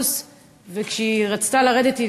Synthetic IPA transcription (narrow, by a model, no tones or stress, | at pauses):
s | vekʃeiʁat͡st̪alaʁedeti